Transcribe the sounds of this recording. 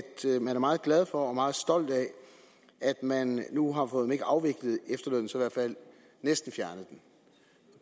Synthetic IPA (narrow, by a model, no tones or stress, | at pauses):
d̥mænæɐmɑ̈ːð̩ˠɡ̥læð̞ˠfɒ̽ɒ̽mɑ̈ːð̞̩ˠsd̥ɒ̽l̰d̥ɛ | ʔæd̥mænːuɦɑ̈fɔðˠeme̝ɡ̥əʔɑ̈ʊʋe̝ɡ̥lð̩ˠefd̥ɐløn̰n̩siʋæɐ̥fæl̰ | nesd̥n̩fjæɐnəð̩ˠd̥en